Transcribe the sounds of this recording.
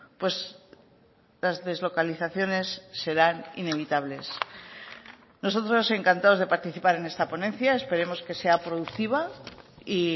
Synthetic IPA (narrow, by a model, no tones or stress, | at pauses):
pwe̞z | lazðe̞zlo̞kaliθaθjo̞ne̞sːe̞ɾanḭne̞β̞it̪aβ̞le̞s | no̞s̬o̞t̪ɾo̞se̞ŋkant̪ao̞zðe̞paɾt̪iθipaɾe̞ne̞st̪apo̞nẽ̞nθjae̞spe̞ɾe̞mo̞ske̞se̞apɾo̞ðukt̪iβ̞ai